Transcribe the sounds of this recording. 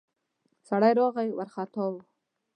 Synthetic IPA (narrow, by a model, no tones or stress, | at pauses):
saɽajɾɑɣajwaɾχat̪ɑwu